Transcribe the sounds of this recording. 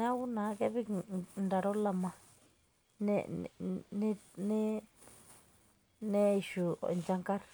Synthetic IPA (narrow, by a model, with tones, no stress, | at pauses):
nã˦u˦nã˨˦ke˦βi˦˨nd̪a˧ɾo˦la˧mã˧ | nḛ̃˦˧ | nẽ˦nẽ˦ | nẽ˦i˧˨ʃṵ˨nt͡ʃa˧ŋka˦ɾ